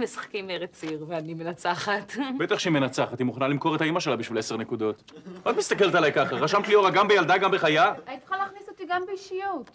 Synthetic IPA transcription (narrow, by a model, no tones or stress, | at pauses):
mesḁχkimeʁet͡siʁveanime̞nat͡saχat̪bet̪aχʃeime̞nat͡saχat̪imuχanalimko̞ʁe̞t̪haimaʃe̞labiʃvilese̞ʁne̞kud̪o̞t̪at̪mist̪ake̞lt̪alajkaχaʁaʃamklioʁaɡambejald̪aɡambeχajaanit̪u̥χalaχnisot̪iɡambeiʃijot̪